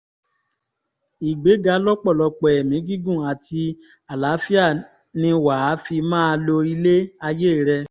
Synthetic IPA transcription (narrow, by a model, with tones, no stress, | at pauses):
i˨ɡ͡be˨˦ɡa˨˧˦lɔ˦k͡pɔ˦˨lɔ˧k͡pɛ˨ɛ˨mĩ˨˦ɡi˦ɡũ˦˨a˨tʰi˧ | a˨la˨˦fi˦a˦˨ | nĩ˧wa˨˦fi˧mãː˦˧lo˧i˧le˦a˧je˦˨ɾɛ˧